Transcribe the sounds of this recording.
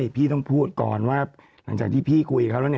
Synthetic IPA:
jpʰiː˥˩t̪ɔ˥˩ŋpʰuː˥˩t̪̚kɔ̰ː˨˩nwaː˥˩ | lla˩˦ŋt͡ɕaː˨˩t̪ʰiː˥˩pʰiː˥˩kʰu˧jkʰa˦˥plni˥˩

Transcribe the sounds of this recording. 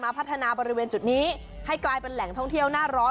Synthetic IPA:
maː˧pʰt̪ʰːa˧naː˧bɔː˧ɾi˦weː˧nt͡ɕu˨˩t̪̚niː˦˥ | ha˥˩jklaː˧jpe˧nlɛ˨˩˦ŋt̪ʰɔ˥˩ŋt̪ʰi˥˩əwnaː˥˩ɾɔː˦˥

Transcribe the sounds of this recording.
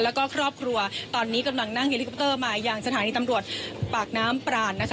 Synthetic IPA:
lɛː˦˥wkɔː˥˩kʰɾɔː˥˩p̚kʰɾu˧ɐt̪ɔː˧nːiː˦˥ka˧mla˧ŋna˥˩ŋhe˧˩li˦k̚ʰːt̪ɤː˥˩maː˧jaː˨˩ŋsat̪ʰaː˩˨˦niː˧t̪a˧mɾu˨˩ət̪̚paː˨˩k̚naː˦˥mpɾaː˧˩nːa˦˥kʰ

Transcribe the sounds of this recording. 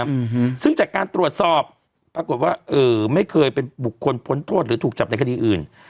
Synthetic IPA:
sɯ˥˩ŋt͡ɕaː˨˩kːaː˧nt̪ɾu˨˩ət̪̚sɔː˨˩p̚ː | ɾa˧ko˨˩t̪̚waː˥˩ʔɤː˨˩ma˥˩jkʰɤː˧jpe˧nbu˨˩kʰːo˧npʰo˨˩˦nt̪ʰoː˥˩t̪̚ɾɯː˩˦t̪ʰuː˨˩k̚t͡ɕa˨˩p̚na˧jkʰa˧iː˧ʔɯː˨˩n

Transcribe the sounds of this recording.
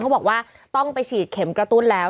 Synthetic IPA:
kʰa˦˥˩bɔː˨˩kwaː˥˩ | t̪ɔ˥˩ŋpa˧jt͡ɕʰiː˨˩t̪̚kʰe˩˦mkɾa˧t̪u˥˩nlɛː˦˥

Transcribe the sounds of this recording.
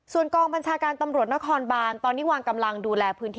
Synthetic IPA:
su˨˩ənkɔː˧ŋba˧nt͡ɕʰaː˧kaː˧nt̪a˧mɾu˨˩t̪̚na˦˥kʰɔː˧nbaː˧nt̪ɔː˧nːiː˦˥waː˧ŋka˧mla˧ŋduː˧lɛː˧pʰɯ˦˥nt̪ʰː

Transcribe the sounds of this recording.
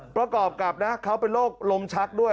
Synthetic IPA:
pɾa˧kɔː˨˩p̚ka˨˩p̚na˦˥kʰa˦˥wpe˧nloː˥˩k̚lo˧mt͡ɕʰa˦˥k̚du˥˩ə

